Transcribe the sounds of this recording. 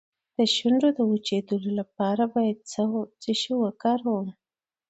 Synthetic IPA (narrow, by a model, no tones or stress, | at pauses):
d̪̥əʃuɳɖod̪əwut͡ʃed̪əlolap̚ɑɾabɑjad̪̚t͡sət͡səʃəwakɑɾwəwi